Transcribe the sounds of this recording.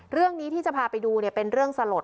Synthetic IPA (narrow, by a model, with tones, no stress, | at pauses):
ɾɯ˥˩əŋniː˦˥t̪ʰiː˥˩t͡ɕa˨˩pʰaː˧pa˧jduː˧ni˥˩pe˧nɾɯ˥˩əŋsa˧lo˨˩t̪